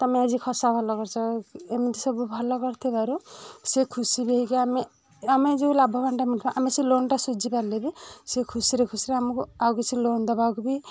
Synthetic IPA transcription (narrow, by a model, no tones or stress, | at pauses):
t̪ɔmead͡ʒikʰɔsabʱɔlɔkɔɾt͡ʃʰɔemɔnt̪ʰisɔbubʱɔlɔkɔɾt̪ʰibaɾusekʰusibʱeɦikeame | amed͡ʒeulabʱɔbanʈamiʈʰibaʔamesilonʈasud͡ʒipaɾlebisekʰusiɾekʰusiɾeamukuawket͡ʃʰilond̪ɔbakubi